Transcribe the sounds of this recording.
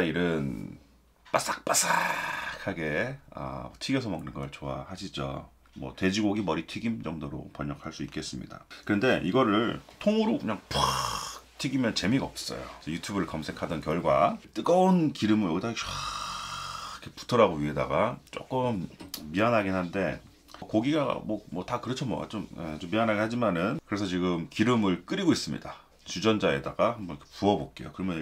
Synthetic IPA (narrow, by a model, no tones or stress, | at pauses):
aiɾɯn | p͈as͈ak̚p͈as͈akʰaɡe̞ʌ̰ʌtʰiɡesʰʌmaŋnɯnɡʌɭt͡ɕoahaɕʰid͡ʑʌ̰ | mwʌ̰twe̞d͡ʑiɡoɡimʌɾitʰiɡimd͡ʑʌŋdoɾo̰pʌɲʌk̚ʰaɭs͈uik͈e̞s͈ɯmɲḭda̰kɯɾʌnde̞ʔiɡʌɾɯɭtʰoŋuɾokɯɲaŋp | tʰiɡimjʌnt͡ɕe̞miɡaʌp̚s͈ʌ̰jo̰t͡ɕʌjutʰubɯɾɯɭkʌmsʰe̞kʰadʌnkjʌɭɡwat͈ɯɡʌonkiɾɯmɯɭʌɡita | kʰepu̥tʰʌɾaɡoɥiɦe̞da̰ɡat͡ɕ͈o̰k͈ɯmːiɦanɦaɡenɦande̞ | koɡiɡa̰mʌmʌtakɯɾʌt͡ɕʰomʌ̰a̰t͡ɕomḛt͡ɕomːiɦanɦaɡeɦad͡ʑimanɯnkɯɾesʰʌt͡ɕiɡɯmkiɾɯmɯɭk͈ɯɾiɡois͈ɯmɲḭda | t͡ɕud͡ʑʌnd͡ʑae̞̰daɡahambʌnkʰepuʌbok͈e̞̰jokɯɾʌmjʌ